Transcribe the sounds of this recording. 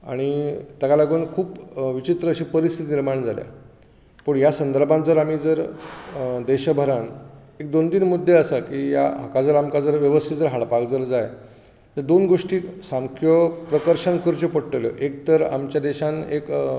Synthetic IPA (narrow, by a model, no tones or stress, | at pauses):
a̰ɽ̃it̪əɡalaɡuːnkʰuːpʋit͡ɕit̪ɾəːɕiːpəɾist̪ʰit̪iniɾmaɳd͡zʱalja̰ | pəɳjasənd̪əɾbʱãnt͡səɾam̤iːd͡zəɾ | d̪eɕəbʱəɾan | ek̚d̪ond̪iːnmud̪ʱːeəsakiːja̰ɦa̰kad͡zəɾamkad͡zəɾʋjəʋəst̪ʰid͡zəɾɦaɽpakd͡zəɾd͡zaj | t̪əɾd̪onɡoʂʈiːsamkʰjopɾəkəɾɕənkəɾt͡ɕəpəɽʈələ̰ʔek̚t̪əɾa̰mt͡ɕjad̪eɕãnek